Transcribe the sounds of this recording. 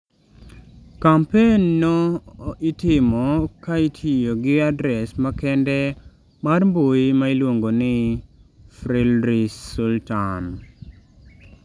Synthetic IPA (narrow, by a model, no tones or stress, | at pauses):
kampenːoitɪmɔkaitʰijoɡɪadɾɛsmakɛndɛ | marmboimailwoŋɡonɪ | fɾilɾissultan